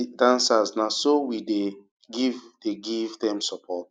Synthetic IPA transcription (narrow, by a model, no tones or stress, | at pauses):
dãnsaznasowide | ɡivdeɡivdɛ̃msɔpʰɔt̚